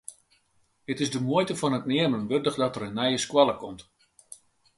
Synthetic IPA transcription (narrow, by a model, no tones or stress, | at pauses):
dɪtɪsdəmuəjtəfɔnətnɪərmənʋørdəχdɔtəɾənːɛjəskwalˠəkɔmt